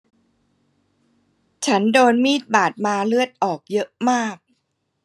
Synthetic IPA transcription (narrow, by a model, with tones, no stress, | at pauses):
t͡ɕʰa˦˥ndoː˧nmiː˥˩t̪̚baː˨˩t̪̚maː˧lɯ˥˩ət̪̚ʔɔː˨˩k̚jɤ˦˥ʔmaː˥˩k̚